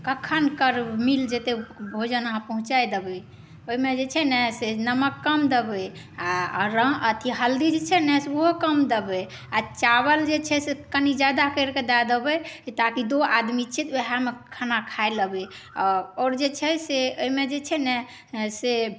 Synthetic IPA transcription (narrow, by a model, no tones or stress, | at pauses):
kəkʰənkəɾmild͡ʒet̪ebʱod͡ʒənəɦãpəɦũt͡ʃajd̪ebɛ | oimed͡ʒet͡ʃʰɛnɛsenəməkːəmd̪ebɛ | aɾə̃ət̪ʰiɦəld̪id͡ʒet͡ʃʰɛnɛseoɦokəmd̪ebɛ | at͡ʃaβəld͡ʒet͡ʃʰɛsekənid͡ʒad̪akəɾked̪ajd̪ebɛt̪akid̪oad̪mit͡ʃʰit̪oɦamekʰənakʰaeləbɛ | ɔɾɔːɾd͡ʒet͡ʃʰɛseoimed͡ʒet͡ʃʰɛnɛ | se